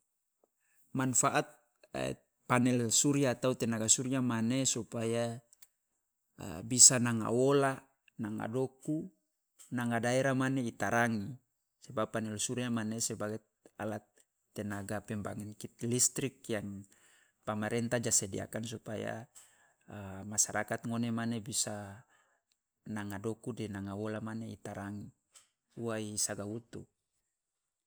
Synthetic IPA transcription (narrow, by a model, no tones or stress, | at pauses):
manfaʔat̪̚ | panɛlsuɾiat̪aut̪ɛnaɡasuɾiamanesupaja | bisanaŋa̰wola | naŋa̰doku | naŋadaɛɾamaneit̪aɾaŋi | sebapːanɛlsuɾiamanesɛbaɡɛt̪a̰lat̪ː | ɛnaɡapɛmbaŋinkit̪̚list̪ɾikjaŋ | pamaɾɛnt̪ad͡ʒasɛdḭa̰kansupaja̰ | masaɾakat̪ŋonemanebisa | naŋadokudɛnaŋawolamaneit̪aɾaŋi | uwaisaɡawut̪ṵ